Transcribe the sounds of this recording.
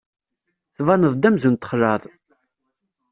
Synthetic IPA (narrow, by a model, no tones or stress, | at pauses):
θvɑnəðˤd̪æmzənt̪ːə̥χlɑðˤ